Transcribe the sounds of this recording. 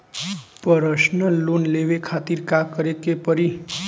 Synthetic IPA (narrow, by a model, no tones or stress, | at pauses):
pəɾəsnəlːonleʋekʰat̪iɾkakəɾekepəɾi